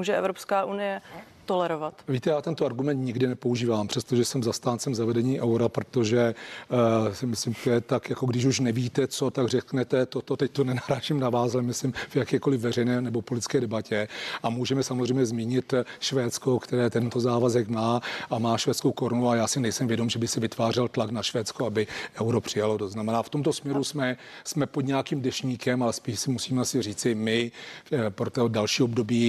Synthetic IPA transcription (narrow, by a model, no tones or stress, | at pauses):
muːʒɛʔɛvɾopskaːʔunɪjɛ | t̪olɛɾovat̪viːt̪ɛjaːt̪ɛnt̪oaɾɡumɛnt̪ɲɪɡdɪnɛpouʒiːvaːmpr̝̥ɛst̪o̞ʒɛsɛmzast̪aːnt͡sɛmzavɛdɛɲiːʔɛwɾapɾot̪o̞ʒɛ | sɪmɪslɪmt̪ojɛt̪akjako̞ɡdɪʃ̬uʃnɛviːt̪ɛt͡so̞t̪aɡr̝ɛknɛt̪ɛt̪ot̪ot̪ɛc̚t̪onɛnaɾaːʃimnavaːslɛmɪslɪmvjakɛːko̞lɪvvːɛrɛjnɛːnɛbo̞polɪt̪ɪt͡sskɛːdɛbacɛʔamuːʒɛmɛsamozrɛjmɲɛzmiːɲɪt̪ʃvɛːt͡sko̞kt̪ɛɾɛːt̪ɛnt̪o̞zaːvazɛkmaːʔamaːʃvɛːt͡skowkoɾnuajaːsɪnɛjsɛmvjɛdo̞mʒɛbɪxsɪvɪt̪vaːr̝ɛlt̪laknaʃvɛːt͡skoabɪʔɛwɾo̞pr̝̥ɪjalo̞t̪oznamɛnaːft̪o̞mt̪osmɲɛɾusmɛsmɛpod̪ɲɛjakiːmdɛʃɲiːkɛmalɛspiːʃsɪmusiːmɛasɪr̝iːt͡sɪmɪ | pɾot̪odalʃiːobdo̞biː